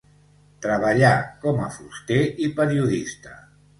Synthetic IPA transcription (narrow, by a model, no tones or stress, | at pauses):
t̪ɾəβəʎakɔməfust̪eʔipəɾiuðist̪ə